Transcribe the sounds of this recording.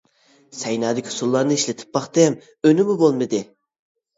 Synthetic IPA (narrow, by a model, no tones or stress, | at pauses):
sɛjnɑːd̪ɪkʲʰi̥sulˠːɑɾnɨiʃlɪt̪ʰɪ̥p̚bɑχt̪ɨɛm | ønɪmʊbolˠmɨd̪ɨ